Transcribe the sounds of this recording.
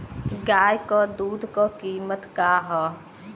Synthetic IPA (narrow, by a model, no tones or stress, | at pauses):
ɡaːjkoːd̪uːd̪kokiːmət̪kaːɦoː